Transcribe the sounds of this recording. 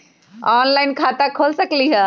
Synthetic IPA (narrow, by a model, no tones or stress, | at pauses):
ɔːnlainkʰaːt̪akʰoːlsəkliːɦə